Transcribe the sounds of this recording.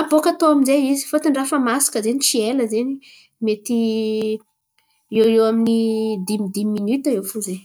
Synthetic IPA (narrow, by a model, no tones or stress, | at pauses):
abokat̪oaminzeizi̥fot̪iɳɖ͡ʐafəmasḁkəzenit͡sieləzeni | met̪i | ewewaminid̪imid̪imːinyt̪aewfuze